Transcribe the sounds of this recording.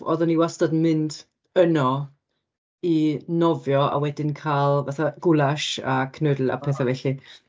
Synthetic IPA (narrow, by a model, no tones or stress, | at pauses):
ɔ̰ðɔniwastadnmɪnd | ənɔ | inɔvjɔa̰wɛdɪnkʰaːlˠvaθaɡ̥ʊlˠaʃa̰kʰnədl̩ˠa̰pʰɛːθavɛɬi